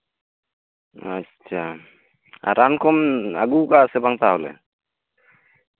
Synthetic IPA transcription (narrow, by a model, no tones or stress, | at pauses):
a | t͡ʃʰa | a̰ɾankɔma̰ɡukasɛbaŋt̪aɦɔlɛ̰